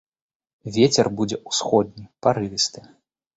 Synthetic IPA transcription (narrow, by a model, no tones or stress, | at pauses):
vʲet͡sʲɛrbud͡zʲɛusxɔd̪̚ʲnʲipaɾɨvʲist̪ɨ